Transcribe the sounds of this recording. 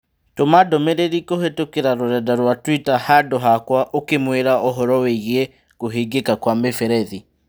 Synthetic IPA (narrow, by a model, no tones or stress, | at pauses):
tomadɔmeɾeɾikohetokeɾaɾoɾɛdaɾwatwitahadɔɦakwaʔokemweɾaʔɔɦɔɾɔweiɣe | koɦeɡekakwamefɛɾɛði